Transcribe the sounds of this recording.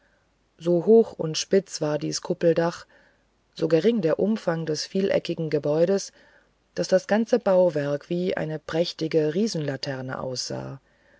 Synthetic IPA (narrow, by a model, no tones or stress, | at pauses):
zoːɦoːxʊ̰ntʃpɪt͡sv̥aːɐdiːskʰʊpl̩daχ | z̥oːɡəʁɪŋdeːɐʔʊmfaŋdɛsfiːlʔɛ̰kɪɡŋ̩ɡəbɔʏɾəs | d̥asd̥asɡ̥ant͡səbaʊvɛɐkv̥iːʔa̰ɪnəpʁ̥ɛçtɪɡəʁiːzn̩latʰɛɐnə̰ʔa̰ʊsz̥a̰ː